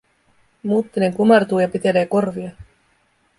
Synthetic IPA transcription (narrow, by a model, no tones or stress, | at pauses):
muːt̪ːineŋkumɑrt̪uːjɑpit̪e̞leːko̞rʋiɑ